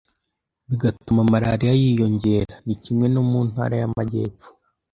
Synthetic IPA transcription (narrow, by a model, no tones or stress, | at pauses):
βiɡatumamaɾaɾijajiːjo̞ɲɟe̞ɾanicimŋe̞nomun̥ha̰ːɾajamaɟe̞̰ːp͡fu̥